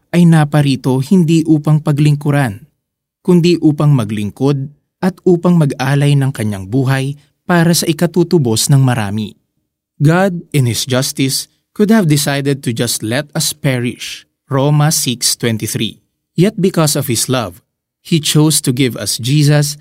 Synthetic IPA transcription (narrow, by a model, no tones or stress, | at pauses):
ʔɐjnaːpɐɾiːt̪o̞hɪnd̪iʔuːpɐŋpɐɡlɪŋkʊɾan | kʊnd̪iʔuːpɐŋmɐɡlɪŋko̞d̪̚ | ʔɐt̪ʔuːpɐŋmɐɡʔaːlɐjnɐŋkɐɲːaŋbuːɦɐj | paːɾɐsɐʔɪkɐt̪uːt̪ʊbo̞snɐŋmɐɾa̰ːmḭ | ɡad̪̚ɪ̃nhɪsd͡ʒɐst̪ɪs | kʊd̪̚hɐvd̪ɪsajd̪ɛd̪̚t̪ʊd͡ʒɐst̪lɛt̪ɐspɛɹɪʃ | ɹoːmɐsɪkst̪wɛnt̪iθɹḭ | jɛt̪̚bɪkɔsɔv̥hɪslɐv | hit͡ʃowst̪ʊɡɪvɐ̰sd͡ʒiːs̬ɐs